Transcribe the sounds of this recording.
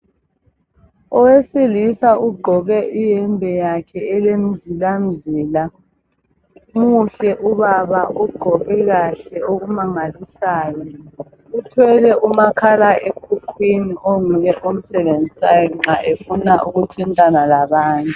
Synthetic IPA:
ɔweselisauɡ͡ǃʱɔɣɛʔijɛmbʱɛjakʰɛɛlem̩zilam̩ziːla | uŋuɬɛʔuβaβaʔuɡ͡ǃʱɔɣɛɣaɬɛoɣumaŋalisaːjɔ | utʰwɛlɛʔumakʰalaʔekʰukʰwiniʔoŋuɣɛʔom̩sɛβend͡zʱisajɔŋ͡ǁaʔefunaʔuɣutʰintʼanalaβaːntʼu

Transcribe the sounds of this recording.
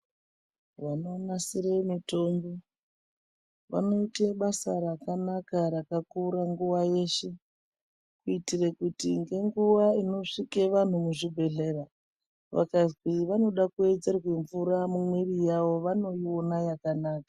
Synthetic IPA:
ʋanonasiɾemito̞mbo | ʋa̰no̞iteɓasaɾakanakaɾakakuɾaŋɡuʋaje̞ʃe̞ | kuitirekutiŋɡe̞ŋɡuʋaino̞ʂikeʋan̤umuʐibʱe̞ɮe̞ra | ʋa̰kaziʋano̞ɗakue̞d͡ze̞rweɱvuɾamumwerijaʋo̞ʋano̞jio̞najakanaːkḁ

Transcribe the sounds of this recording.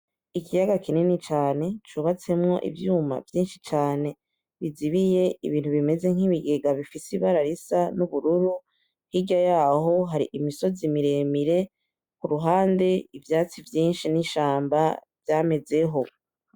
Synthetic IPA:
ikijaɡakʰininit͡ʃaːne̞t͡ʃuːβat͡se̞mŋo̞̰ʔḭvjuːma̰vjiːnʃit͡ʃaːne̞ | βiziβije̞iβiːnthuβime̞ze̞ŋ̥iβiɡeɡaβifisiβaɾaɾisanuβuɾuɾu | hiɟajaːɦo̞ɦaɾḭʔimiso̞zimiɾe̞ːmiɾe̞ | kuɾuɦaːnde̞ivjaːt͡sivjiːnʃiniʃaːmbavjaːme̞ze̞ɦo̞

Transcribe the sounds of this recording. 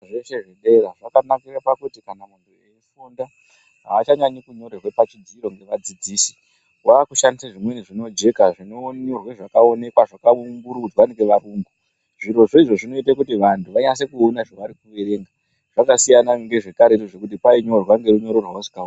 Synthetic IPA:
ʐeʃeʐeɗe̞raʐakanakirepakutikanamuntueifunda | ɦaːt͡ʃaɲaɲikuɲo̞ɾerwepat͡ʃidʱiɾo̞ŋɡe̞ʋad͡zid͡ziːsi̥ | waːkuʃandisaʐimweniʐino̞d͡ʒe̞kaʐinoɲorweʐakao̞ne̞kwaʐakaumbuɾukutiwaniɡeʋaɾuːŋɡu | ʐiɾo̞ʐo̞iʐo̞ʐino̞it̬akutiʋantʰuʋaɲase̞kuːnaʐaʋaɾikuʋe̞ɾe̞ːŋɡa | ʐ̥akasijanaŋɡe̞ʐe̞kaɾetoʐe̞kut̬ipaiɲo̞rwaŋɡe̞ɾuɲo̞ɾorwawosi̥kau

